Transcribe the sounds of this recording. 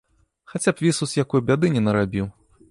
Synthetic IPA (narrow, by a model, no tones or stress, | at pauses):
xat͡sʲapvʲisuzjakɔjbʲad̪ɨnʲɛnɐɾabʲiw